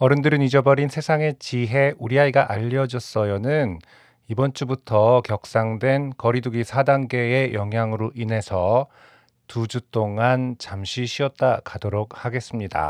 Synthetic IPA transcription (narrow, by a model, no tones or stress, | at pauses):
ʌɾɯndɯɾɯnid͡ʑʌbʌɾinsʰe̞sʰaŋe̞t͡ɕiɦe̞ʔuɾiaiɡaʔaʎːʌd͡ʑʌs͈ʌjonɯn | ibʌnt͡ɕ͈ubutʰʌkjʌk̚s͈aŋdwe̞nkʌɾiduɡisʰadaŋɡe̞ːjʌŋɦjaŋɯɾoʔine̞sʰʌ | tud͡ʑut͈oŋant͡ɕamɕʰiɕʰiʌt̚t͈ak͈ʰadoɾok̚haɡe̞s͈ɯmɲida̰